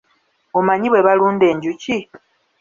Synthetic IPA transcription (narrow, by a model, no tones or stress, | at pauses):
omaɲiβwe̞βaluːnde̞ːɲɟuci